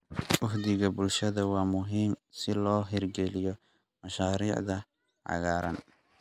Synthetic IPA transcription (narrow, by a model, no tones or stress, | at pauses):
wʊhd̪ɪɣɐbʊlʃɐðɐwɑːmʊɦiːmsɪlɔːɦɛrɡɛlɪjɔ | mɐʃaːɾiːʕðɐ | ʕɑ̰ɣaːɾɐ̰n